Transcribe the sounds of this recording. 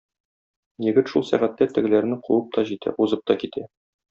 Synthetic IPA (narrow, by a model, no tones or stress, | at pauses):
jɘ̆ɡɘt̪ʃulˠsæʁæt̪ːæt̪ɘ̆ɡɘ̆læɾnɘquwɤp̚t̪ɒʑit̪æ̰uzɤp̚t̪ɒkit̪æ